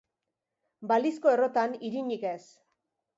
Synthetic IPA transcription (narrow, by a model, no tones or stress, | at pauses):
balisko̞e̞ro̞t̪aniɾiɲike̞s